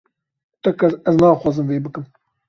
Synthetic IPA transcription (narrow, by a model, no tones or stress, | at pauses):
t̪ɛkɐɛznɑːxwɑːzɨmveːbɨkɨm